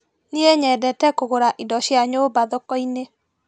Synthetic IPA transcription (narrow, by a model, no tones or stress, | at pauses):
nieɲɛdɛtɛkoɣoɾaʔidɔɕjaɲoːbaðɔkɔine